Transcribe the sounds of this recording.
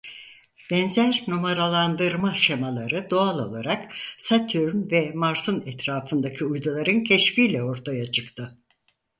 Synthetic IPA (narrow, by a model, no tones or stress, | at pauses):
b̥ɛnzæɾnumaɾalˠand̪ɯɾmaʃemalˠaɾɯd̪oalˠo̞̰lˠaɾaksat̪ʰyɾnvɛmaɾsɯnɛt̪ɾaːfɯnd̪acʰiujd̪ulˠaɾɯncʰɛʃfiːlʲɛo̞ɾt̪ʰajat͡ʃʰɯkt̪ʰɯ